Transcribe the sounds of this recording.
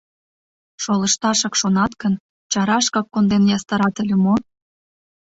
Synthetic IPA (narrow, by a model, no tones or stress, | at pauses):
ʃolə̆ʃt̪ɑʃɑkʃonɑt̪kən | t͡ɕɑɾɑʃkɑkːond̪enjɑst̪ɑɾɑt̪ə̆lʲə̆mo